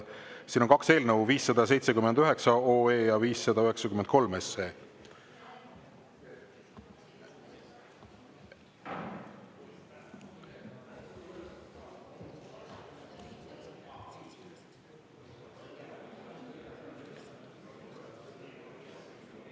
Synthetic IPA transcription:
siːno̞nkɑkse̞ːlnəwviːsːɑd̪̥ɑs̬e̞jt̪se̞kymend̪yɦe̞ksɑoːeːjɑviːsːɑd̪ɑyɦe̞ksɑkyment̪̚ko̞lmeseː

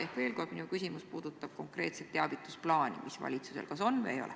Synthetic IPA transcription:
ehkve̞ːlko̞rd̥̪minukysʲimuspuːd̪̥ut̪ːˑɑb̥̚ko̞ŋkre̞ːt̪set̪ːeɑb̥it̪ːˑusplɑːnḭmʔisvɑ̰lʲit̪suse̞̰lkɑso̞nːveːjo̰le

